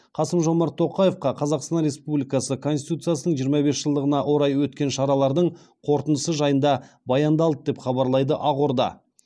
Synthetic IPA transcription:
qʰɑsəmʒo̞mɑɾt̪ʰːoqɑje̞fqɑqʰɑzɑqst̪ɑnɾe̞spublijkɑsəkʰo̞nsi̥t̪ut̪sɨjasənəɴʒijəɾmɑbe̞sʒ̥əlˠd̪əʁənɑʔwo̞ɾɑjwɵt̪kʲe̞nʃɑɾɑlˠɑɾd̪əɴ | qʰoɾt̪ənd̪əsəʒɑjənd̪ɑ | bɑjɑnd̪ɑlˠd̪əd̪e̞pχɑbɑɾlˠɑjd̪əʔɑʁo̞ɾd̪ɑ̰

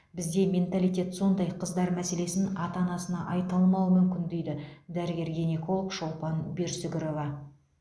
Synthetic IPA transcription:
bɪzd̪e̞mʲe̞nt̪ɑlijt̪ʲe̞t̪so̞nd̪ɑjqʰəzd̪ɑɾmæse̞le̞sɪnɑt̪ɑnɑsənɑʔɑjt̪ɑlˠmɑwmʏmkʲɪnd̪ejd̪ɪd̪æɾɪɡʲe̞ɾɡʲenʲeko̞lˠəkʃo̞lˠpɑnbeɾsɪɡʲɪɾo̞vɑ

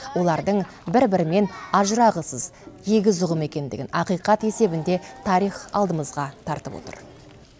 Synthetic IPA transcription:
wo̞lˠɑɾd̪əɴ | bɪɾbɪɾɪme̞nɑʒəɾɑʁəsəzje̞ɡʲɪzʊʁəme̞kʲe̞nd̪ɪɡʲɪ̰nɑqijqɑt̪e̞se̞bɪnd̪e̞t̪ʰɑɾijχɑlˠd̪əməzʁɑt̪ʰɑɾt̪əpwo̰t̪ə̰ɾ

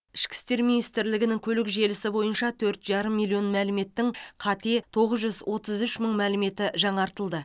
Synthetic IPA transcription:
ɪʃkʲɪ̥st̪e̞ɾminijst̪ɪɾlɪɡʲɪnɪŋkʲʰɵlɪkʒe̞lɪsɪbo̞jənʃɑt̪ʰɵɾt̪ʒɑɾəmːijlʲˠːio̞nmælɪme̞t̪ːɪŋqʰɑt̪e̞t̪ʰo̞ʁəzʒʏzwʔo̞t̪əzʏʃməɴmælɪme̞t̪ɪʒɑɴɑɾt̪əlˠd̪ə

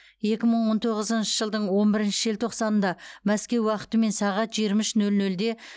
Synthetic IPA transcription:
je̞kʲɪməɴwo̞nt̪ʰo̞ʁəzənʃəʒəlˠd̪əɴwo̞nbɪɾɪnʃɪʒelt̪ʰo̞qsɑnənd̪ɑmæskʲe̞wːɑqə̥t̪əme̞nsɑʁɑt̪ʒijɾmɪʃnɵlnɵld̪e̞

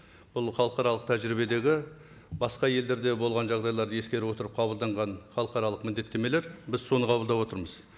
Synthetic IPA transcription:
b̥ʊlˠχɑlˠəqɑɾɑlˠəq̚t̪ʰæʒɾibe̞d̪e̞ɡʲɪ | bɑsqɑje̞ld̪e̞ɾd̪e̞bolˠʁɑnʒɑʁd̪ɑjlˠɑɾd̪əjeskʲe̞ɾwo̞t̪əɾəp̚qʰɑbəlˠd̪ɑɴʁɑnχɑlˠəqɑɾɑlˠəqmɪnd̪e̞t̪ːe̞me̞leɾbɪzso̞nəqʰɑbəld̪ɑpwo̞t̪əɾməz̥

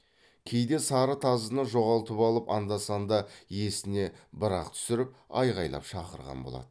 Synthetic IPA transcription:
kʲʰe̞jd̪e̞sɑɾət̪ʰɑzənəʒo̞ʁɑlˠt̪əpɑlˠəpɑnd̪ɑsɑnd̪ɑje̞sɪne̞bəɾɑ̰qt̪ʰʏ̥sɪɾɪp̚ɑ̰jʁɑjlˠɑ̰pʃɑqəɾʁɑ̰nbolˠɑ̰d̪̥ə

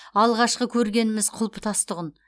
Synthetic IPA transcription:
ɑlˠʁɑʃqəkʲʰɵɾɡʲe̞nɪmɪzqʰʊlˠpə̥t̪ʰɑst̪əʁən

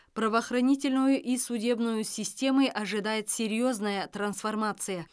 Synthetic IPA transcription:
prɐvəːxrɐnʲitʲɪlʲnʊjʊʔisudʲe̞bnʊjʊsʲɪsʲtʲe̞məjʔɐʐɨd̪ajɪt̪sʲeɾʲɪjo̞znəjət̪rɐnsfɐrmat̪sɨjə

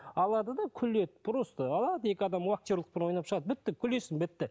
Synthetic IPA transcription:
ɑlˠɑd̪əd̪ɑkʲʰʏle̞t̪̚bʊɾəst̪əɑlˠɑd̪əe̞kʲɪɑd̪ɑmwak̚t̪eɾlˠə̥q̚penwo̞jnɑpʃəʁɑd̪əbɪt̪ːɪkʲʰʏlesɪnbɪt̪ːɪ

